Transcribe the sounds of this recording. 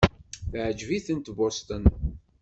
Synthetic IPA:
θʕəd͡ʒviθənt̪bost̪ən

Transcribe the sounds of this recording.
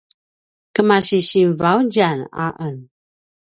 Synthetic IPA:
kəmaɕiɕimvawd͡ʒana̰ʔən

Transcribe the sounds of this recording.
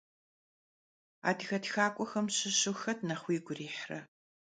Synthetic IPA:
a̰ːdɣɐtxaːkʷʼɔxɐmɕɪɕɨxɐtʰnɐχʷiːɡʷʊriːħrɐ̰

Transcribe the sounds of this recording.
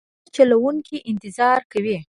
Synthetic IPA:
t͡ʃalawuŋkiʔɪnt̪ɪzɑɾkawi

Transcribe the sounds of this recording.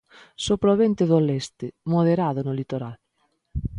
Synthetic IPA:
sopɾoβent̪eðolɛst̪ɪmoðeɾaðʊnʊlit̪oɾal

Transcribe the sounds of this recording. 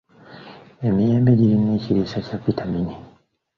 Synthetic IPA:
emieːmbeɟiɾineːciɾisacapitʰamiɲi

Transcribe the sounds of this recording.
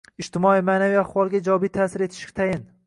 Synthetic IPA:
ɪd͡ʒt̪ɪmɒijmaːnavijaχvɒlˠɡʲad͡ʒɒɒbit̪ʰaːsɪɾe̞t̪ʰɪ̥ʃkʲt̪ʰajɪn

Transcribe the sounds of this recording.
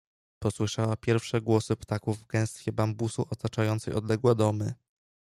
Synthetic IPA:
pɔswɘʂawapʲjɛɾfʂɛɡwɔsɘpt̪akuvːɡɛ̃w̃st̪fʲjɛbambusuʔɔt̪at͡ʂajɔnt̪sɛjɔd̪lɛɡwɛd̪ɔmɘ

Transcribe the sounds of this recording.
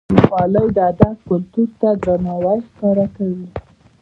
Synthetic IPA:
pɑlawd̪ad̪akʊlt̪uɾt̪ad̪ɾanɑwaɾxkɑɾakawi

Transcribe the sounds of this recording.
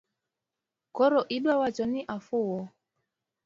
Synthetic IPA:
kɔɾɔʔiɗwawat͡ʃɔniʔafuwɔ

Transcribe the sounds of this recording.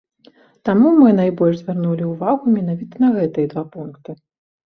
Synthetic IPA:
t̪amumɨn̪ajbɔlʲʐzʲvʲarnulʲiuvaɣumʲɛnavʲit̪ɐnɐɣɛt̪ɨjɛd̪vapunkt̪ɨ

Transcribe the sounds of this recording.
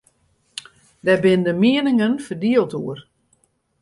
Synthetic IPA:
dɛbɪndəmiənɪŋənfərdiəlˠtuər

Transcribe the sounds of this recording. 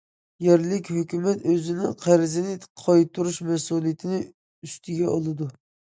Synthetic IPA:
jɛɾlɪkʲhøkʲymɛt̪øzɪnɪŋqʰæɾɪzɪnɪqʰɑjt̪ʰuɾuʃmɛsulˠijɪt̪ʰɪnɪ | yst̪ʰɪɡʲɛʔolˠɨd̪u

